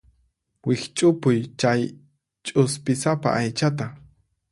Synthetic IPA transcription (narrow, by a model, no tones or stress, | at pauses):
wɪkt͡ʃʼʊpʊjt͡ʃaj | t͡ʃʼʊspɪsapa̰ʔajt͡ʃat̪a